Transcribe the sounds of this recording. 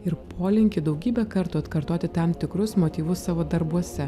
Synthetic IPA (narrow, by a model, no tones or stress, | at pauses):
ɪɾpʰoːlʲɪŋʲkʲɪd̪ɐʊɡʲiːbʲɛkɐɾt̪ʊɐt̪kɐɾt̪oːt̪ʲɪt̪ɐmt̪ʲɪkɾʊsmoːt̪ʲiːʋʊssɑːʋoːd̪ɐɾbuɔsʲɛ